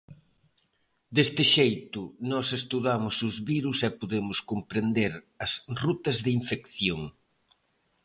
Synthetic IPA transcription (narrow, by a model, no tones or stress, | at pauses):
d̪est̪ɪʃejt̪ʊnɔsest̪uðamʊsʊzβiɾusɛpoðemʊskompɾend̪eɾ | ɐsrut̪ɐzðɪiɱfekθjoŋ